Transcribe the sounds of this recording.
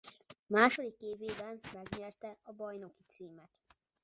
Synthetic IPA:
maːʃo̞d̪ikːeːveːbɛmːɛɡɲɛrt̪ɛɒbɒjno̞kit̪siːmɛt̪

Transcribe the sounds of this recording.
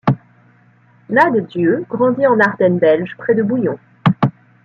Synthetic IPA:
nad̪d̪jøɡʁɑ̃d̪iɑ̃naʁd̪ɛnbɛlʒpχɛd̪əbujɔ̃

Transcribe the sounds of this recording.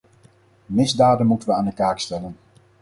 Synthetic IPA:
mɪzdaːdənmutənʋəaːndəkaːkstɛlən

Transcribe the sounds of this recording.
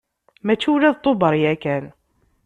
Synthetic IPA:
mæt͡ʃːiwlæðt̪ˤːobəɾˤiækæn

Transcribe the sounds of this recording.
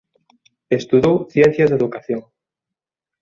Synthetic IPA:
est̪uðowθjen̟θjazðeðukaθjoŋ

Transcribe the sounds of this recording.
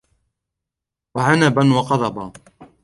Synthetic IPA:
waʕanabanwɑqɑd̪ˤɑba

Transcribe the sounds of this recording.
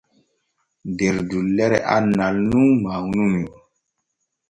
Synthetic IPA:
deɾdulːɛɾɛʔanalnumawunumi

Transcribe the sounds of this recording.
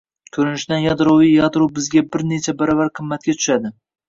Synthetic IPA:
kʲʰɵɾɪnɪʃd̪anjɑd̪ɾowijjɑd̪ɾuwbɪzɡʲabɪɾne̞t͡ʃʰabaɾɒvaɾqʰɨmːat̪̚kʲat̪ʰʊ̥ʃad̪ɪ

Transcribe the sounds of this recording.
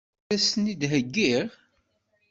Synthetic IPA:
æsənid̪ɦəɡːiʁ

